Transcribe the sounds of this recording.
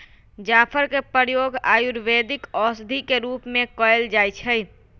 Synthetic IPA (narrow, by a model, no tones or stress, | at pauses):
d͡ʒaːpʰəɾkepəɾjoɡaːjuɾʋed̪ɪkɔsd̪ʱikeɾuːpmẽkɔeld͡ʒajt͡ʃʰəj